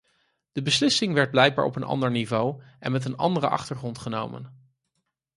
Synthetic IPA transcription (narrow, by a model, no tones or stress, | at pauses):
d̥əbəslɪsɪŋʋɛɹd̚blɛjɡ̚baːɹɔ̰pənʔɑ̰ndəɹnivowʔɛ̰nmɛt̬ənɑ̰ndərəʔɑ̰χtəɹχrɔntχəno̰wmə̰n